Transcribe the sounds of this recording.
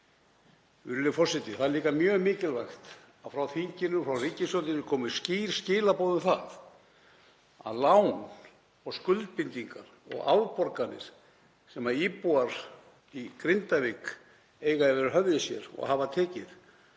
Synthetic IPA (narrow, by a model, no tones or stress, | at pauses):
ʏɾlɪfɔr̥sɪt̪ɪθaðɛɾliːkamjœːmɪːcɪlvaxt̪ | aðfɾawθiɲcɪnʏmfɾawriːcɪsœnt̪ɪnɪkʰɔːmɪɾ̥sciːɾ̥scɪːlapoːwðʏmθað | a̰ðlaːwn | ɔɣskʏlt̪̚pɪnt̪iŋkaɾ̥ɔ̰ɣa̰wɾpɔɾkanɪ̰ɾ̥ | sɛmaɾipuaɾ̥ | ikɾɪnt̪avɪk | eːjɣaðɛvɛɾɪɦœvðɪsjɛ̰ɾɔ̰ɣavat̪ʰɛːcɪθ